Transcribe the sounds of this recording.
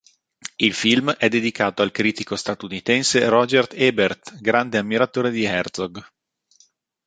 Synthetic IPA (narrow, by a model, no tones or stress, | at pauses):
ilfilmɛd̪ːed̪ikaːt̪oalkɾiːt̪ikost̪at̪unit̪ɛnseɾɔd͡ʒɛrt̪ɛbert̪ɡɾand̪eamːiɾat̪oːɾed̪iɛrt̪sɔɡ